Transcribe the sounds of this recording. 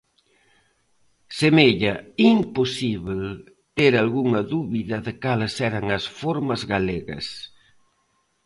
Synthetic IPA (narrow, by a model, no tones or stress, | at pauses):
semeʎɐimposiβl | t̪eɾalɣuŋɐðuβiðɐðɪkalɐsɛɾɐŋɐsfoɾmɐzɣaleɣɐ̰s